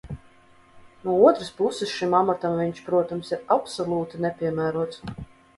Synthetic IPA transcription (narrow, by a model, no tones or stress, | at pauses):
nuɔuɔt̪ɾɨspusːɪsʃimamat̪amviɲʲt͡ʃpɾuɔt̪amsiɾapsɔlˠuːt̪inepʲiɛmæːɾuɔt̪s